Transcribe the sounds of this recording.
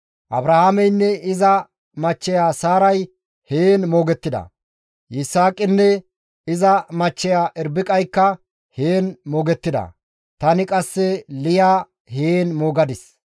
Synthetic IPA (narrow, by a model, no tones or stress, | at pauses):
ʔɐbɾɐhaːmɛjnːɛɪzɐ | mɐt͡ʃːɛjaːsaːɾɐj | heːnmo̞ːɡɛt̪ːɪd̪ɐ̰ | ʔɪsaːkʼɪnːɛ | ɪzɐmɐt͡ʃːɛjaːʔɛɾbɪkʼɐjkːɐ | heːnmoːɡɛt̪ːɪd̪ɐ̰ | t̪ɐnɪkʼɐsːɛlɪjaː | heːnmo̞ːɡɐd̪ɪs